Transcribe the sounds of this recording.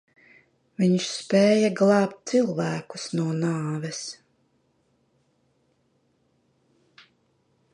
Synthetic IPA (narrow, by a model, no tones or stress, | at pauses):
viɲʃspɛːjɐɡlˠɑːpt̪̚ʲt̪silˠvæːku̥snuɔnɑːvɛs